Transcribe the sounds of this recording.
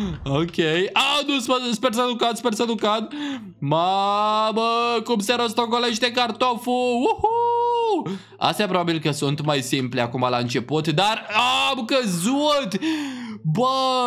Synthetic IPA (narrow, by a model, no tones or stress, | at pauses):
okʲejanuspəspersəlukat̪spersəd̪ukad̪ | maməkumseɾos̬t̪okoleʃt̪ekart̪ofuwuhu | a̰st̪japɾo̞babilkəsunt̪majsimpleakumalaɨnt͡ʃe̞put̪d̪aramkəzut̪ | bə